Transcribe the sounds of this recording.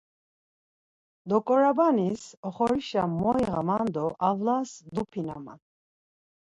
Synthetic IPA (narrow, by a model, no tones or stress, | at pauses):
d̪ɔkʼɔɾabanisɔχɔɾiʃamːɔjʁamand̪ɔʔavlasd̪upʰina̰ma̰n